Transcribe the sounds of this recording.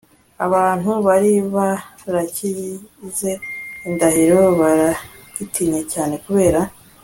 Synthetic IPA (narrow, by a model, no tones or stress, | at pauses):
a̰βaːn̥huβaɾiβaɾacize̞indahiɾoβaɾaɡitiɲe̞caːne̞kuβe̞ːɾa